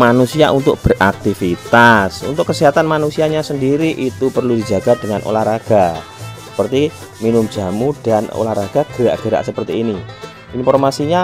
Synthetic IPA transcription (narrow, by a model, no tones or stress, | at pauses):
manusiaʔunt̪ʊk̚b̥ərʔak̚t̪ifit̪asṵnt̪ʊkːəsiɦat̪anmanusiaɲasəndiɾiʔit̪upərludid͡ʒaɡ̥ad̥əŋanʔo̰lahraɡ̥a | sə̥pərt̪i | minʊm̥d͡ʒa̤mud̥ano̰lahraɡ̥a̤ɡ̥əɾa̰ʔɡ̥əɾa̰ʔsəpərt̪iːni | infɔrmasiɲa